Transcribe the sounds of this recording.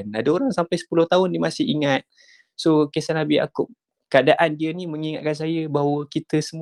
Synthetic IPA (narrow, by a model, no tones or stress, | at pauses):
nadaoɾaŋsampajsə̥pulʊht̪aɦʊndimasɪhiŋat̪̚ | sokesanabia̰kʊp̚ | kəadaʔandiəniməŋiŋat̪̚kans̬ajəbaɦwəkit̪əsəm